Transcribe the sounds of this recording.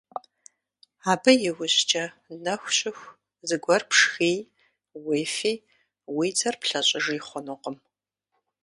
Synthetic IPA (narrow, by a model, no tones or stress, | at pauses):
aːbɨjɪwʊɕt͡ʃʼɐ | nɐxʷɕʼɪxʷ | zɨɡʷɔrpʰʂxiː | weːfiː | wiːt͡sʰʼɐrpɬɐɕʼɪʐiːχʷɔnɨqəm